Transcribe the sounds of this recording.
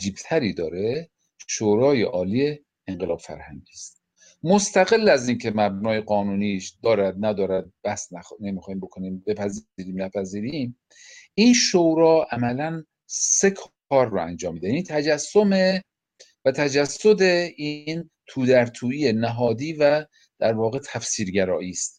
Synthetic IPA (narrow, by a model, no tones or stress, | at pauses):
æd͡ʒiːb̥̚t̪ʰæɾiːd̪ɒːɾe̞ | ʃoɾɒːjḛʔɒːlije̞ | eɴɢelɒːb̥fæ̰ɾhæ̰ŋɟiːst̪ | most̪æɣe̞lːæziːnkʰe̞mæbnɒːje̞ɢɒːnuːniʃd̪ɒːɾæd̪̚næd̪ɒːɾæd̪̚bæhsnænemixɒːhimbokʰoniːmbe̞pʰæziːɾiːmnæpʰæziːɾiːm | ʔiːnʃoɾɒːʔæmælæn | se̞kʰ | ɒːɾːoæ̰nd͡ʒɒːmːiːd̪ejæniːt̪ʰæd͡ʒæsːome | væt̪ʰæd͡ʒæsːod̪e̞ʔiːn | t̪ʰuːd̪æɾt̪ʰuːiːenæɦɒːd̪iːvæ | d̪̥æɾvɒːɣe̞t̪ʰæfsiːɾɡæɾɒːʔiːst̪̚